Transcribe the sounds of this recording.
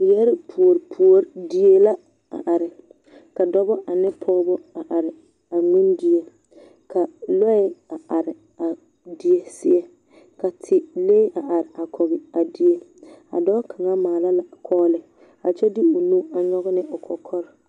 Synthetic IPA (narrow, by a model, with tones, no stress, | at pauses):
jɛ˦ɾɪ˦pʰu˨o˨ɾpʰu˨o˦ɾdi˦e˦la˦ | a̰˨ʔa˨ɾɪ˨ | ka˨dɔ˦bɔ˦ʔa˨nɪ˦pʰɔː˦bɔ˦a˨ʔa˨ɾɪ˨ | a˨mĩ˦ndi˨˦e˦ | kʰa˨lɔ˦ɪ˦a˨ʔa˨ɾɪ˨ | a˨ | di˨e˦sɪ˦ɛ˦ | ka˨tʰɪ˨leː˦ʔa˨ʔa˨ɾɪ˨ʔa˨kʰɔ˨bɪ˨a˨di˦e˦ | a̰˨dɔ˦kʰa˨ŋa˦maː˨la˦la˨kʰɔː˦lɪ˨ | a̰˨t͡ʃɛ˦dɪ˦ʊ˨nũ˦a˨ɲɔ˦ɣɔ˦nɪ˦ʊ˨kʰɔ˨kʰɔ˦ɾɪ˨